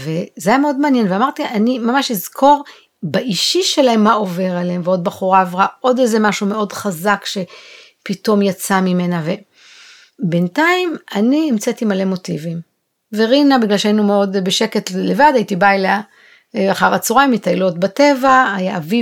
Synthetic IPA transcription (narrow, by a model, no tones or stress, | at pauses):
vezeajameo̞dmaːnjenveamaʁtiʔanimamaʃizkʰo̞ʁ | baʔiʃiʃelahemːao̞ve̞ʁaleɦemveod̚baχuʁaːvʁaʔo̞dejzemaʃume̞o̞dχazakʃe̞ | pito̞mjat͡samime̞nave̞ | bentaimaniimt͡setimale̞mo̞tivim | veʁinabiɡlalʃeainumeo̞dbeʃe̞ke̞tlevadajitibajla | aχaʁat͡suʁajmjitajlo̞tbate̞vaajaavi